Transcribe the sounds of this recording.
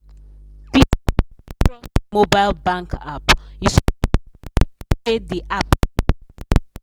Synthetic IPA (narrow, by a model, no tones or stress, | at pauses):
pi | mobajlbãŋkapjis | ediʔap